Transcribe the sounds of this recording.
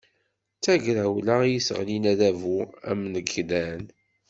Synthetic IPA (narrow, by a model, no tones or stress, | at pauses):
t͡sæʝɾæwlæjisə̰ʁlinæðævuæ̰mnəɡlæn